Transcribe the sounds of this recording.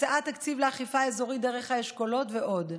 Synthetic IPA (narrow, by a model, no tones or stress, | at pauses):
eʔat̪akt͡sivleaχifaezo̞ʁideʁeχhaeʃkolo̞t̪veʔo̞d